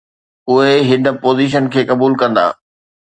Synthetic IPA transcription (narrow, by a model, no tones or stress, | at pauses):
ʊɦeɦɪɖə̆poːziːʃ̬ənkʰeːkɐbuːlkɐ̃nd̪a̰ː